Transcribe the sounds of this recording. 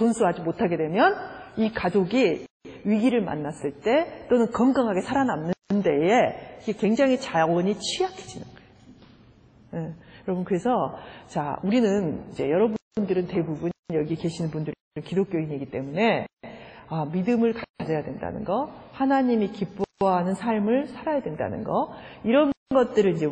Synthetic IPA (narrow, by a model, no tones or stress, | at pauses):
onsʰuɦad͡ʑimotʰaɡe̞dwe̞mjʌnikad͡ʑoɡi | ɥiɡiɾɯɭma̰nːas͈ɯɭt͈e̞t͈onɯnkʌŋɡaŋɦaɡe̞sʰaɾanamːɯnde̞eiɡekwe̞ŋd͡ʑaŋɦit͡ɕaʌɲit͡ɕʰiakʰe̥d͡ʑinɯnɡ̥ʌeo | ejʌɾʌbunkɯɾe̞sʰʌt͡ɕa̰uɾinɯnid͡ʑe̞̰jʌɾʌbuundɯɾɯnte̞bubuɲjʌɡike̞ɕʰinɯnbundɯɾiɾɯnkidok͈joiɲiɡit͈e̞mune̞ | amidɯmɯɭkaad͡ʑʌjadwe̞nda̰nɯ̰nɡʌhanaɲimikip͈oɦanɯnsʰaɭmɯɭsʰaɾajadwe̞nda̰nɯ̰nɡʌiɾʌnɡʌt̚t͈ɯɾɯnind͡ʑe̞